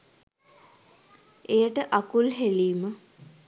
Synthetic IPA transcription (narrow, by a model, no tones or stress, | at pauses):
ejəʈəʔakulɦeliːmə